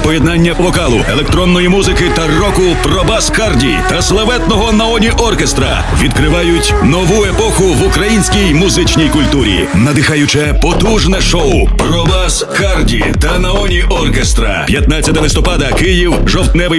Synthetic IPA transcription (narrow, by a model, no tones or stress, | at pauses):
pɔjɛd̪nanʲːɐʋɔkalˠʊɛlˠɛk̚t̪ɾɔnːɔjimuzɪkɪt̪ɐrɔkʊprɔbaskardʲḭt̪ɐslˠɐʋɛt̪nɔɦɔnɐɔnʲiʔɔrkest̪ɾɐ̰ | ʋʲid̪kɾɪʋɑjʊtʲnɔʋuepɔxʊʋʊkɾɐjinʲsʲkʲijmʊzɪt͡ʃnʲijkʊlʲt̪uɾʲḭnɐd̪ɪxajʊt͡ʃɛpɔt̪uʒnɛʃɔwpɾɔbas | kardʲḭ | t̪ɐnɐɔnʲiʔɔrkest̪ɾɐ̰pʲjɐt̪̚nat͡sʲːɐt̪ɐlˠɪst̪ɔpɑd̪ɐkɪjiwʒɔwt̪nɛʋɪ